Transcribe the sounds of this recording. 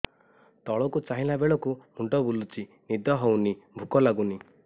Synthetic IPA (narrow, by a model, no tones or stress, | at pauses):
t̪ɔɭɔkut͡ʃaɦĩlabeɭɔkumuɳʈɔbulut͡ʃi | nid̪ɔɦɔwnibʱukɔlaɡuni